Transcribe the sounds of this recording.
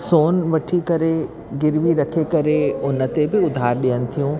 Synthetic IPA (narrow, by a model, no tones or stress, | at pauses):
soːnʋɐʈʰikɐɾe | ɡɪɾʋiɾɐkʰekɐɾeʊnə̆t̪ebɪʊd̪ʱaːɾɗijənɪ̆t̪ʰijũː